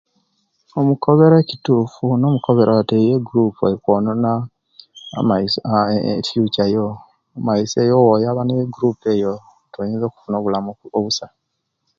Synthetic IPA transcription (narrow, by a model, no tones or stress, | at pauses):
omukʰoβeɾecituːfuno̞ːmukoβe̞ɾawatejeɡuɾupuaikwonona̰ | mai | fjut͡ʃajoː | maisejowojaβaneeɡuɾupeːjo | tʰojeːnzoːku̥funo̞ːβulamuoβusa